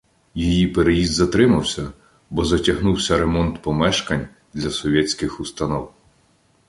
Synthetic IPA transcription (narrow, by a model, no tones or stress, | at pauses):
jijipeɾejizd̪zɐt̪ɾɪmɐwsʲɐ | bɔzɐtʲɐɦnuwsʲɐɾemɔnt̪pɔmɛʃkɐnʲ | d̪lʲɐsɔʋʲɛsʲkɪxust̪ɐnɔw